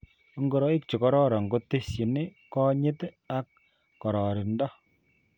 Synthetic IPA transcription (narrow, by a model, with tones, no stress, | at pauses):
ŋɡo˨ɾɔ˦i˦kt͡ʃi˨kɔ˨ɾɔ˦ɾa˨ŋɡo˦te˦sji˨ne˦kɔ˦ɲɪ˦t | a˦kː | ɔ˨ɾɔ˨ɾɪ˨ndɔ˦